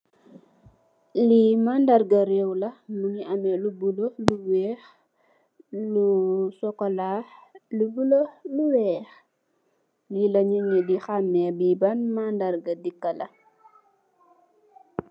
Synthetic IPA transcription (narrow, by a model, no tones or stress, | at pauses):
limandarɡɐɾɛwlɐmuŋiʔɐmɛlubuloluwɛːx | lusɔkɔlaːlubuloluwɛːx | jilɐɲuɲidixamːɛbibanmandaɾɡɐdikːɐlɐ